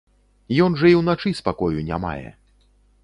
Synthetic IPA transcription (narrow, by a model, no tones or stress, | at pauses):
jɔnʐɐiwnat͡ʂɨspakɔjunʲa̰ma̰jɛ̰